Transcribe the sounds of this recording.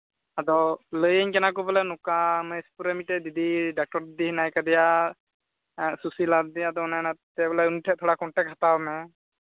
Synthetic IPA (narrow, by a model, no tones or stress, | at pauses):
ad̪ɔləjəɲkɛnak̬ɔbɔlɛnukaməspuɾɛmiʈɛd̪id̪iɖak̚ʈɔɾd̪id̪iɦinajkad̪ɛja | susilad̪̚d̪iad̪ɔɔnajnat̪ɛbɛlɛunʈʰɛt̪ʰɔɽakɔɳʈɛk̚ɦat̪abmɛ